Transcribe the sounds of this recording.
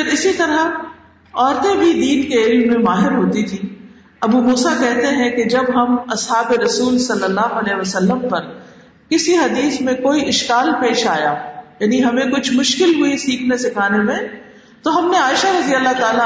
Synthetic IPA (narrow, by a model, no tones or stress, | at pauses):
pɪɾɪsit̪ɐɾa | ɔːɾt̪ẽbʱid̪iːnkeɪlmːẽmaːɦɪɾɦoːt̪it̪ʰiː | ɐbumuːsakɛɦt̪eɦɛ̃ked͡ʒɐbɦɐmɐsɦaːbeɾɐsuːlsɐlːəlːaːɦoɐlɛːɦʋɐsɐlːəmpɐɾ | kɪsiɦɐd̪iːsmẽkoːiʔɪʃkaːlpeːʃaːjaːjaːniɦɐmẽkʊt͡ʃʰmʊʃkɪlɦʊisiːkʰnesɪkʰaːnemẽ | t̪oɦɐmneaːɪʃaɾɐzijalːat̪aːla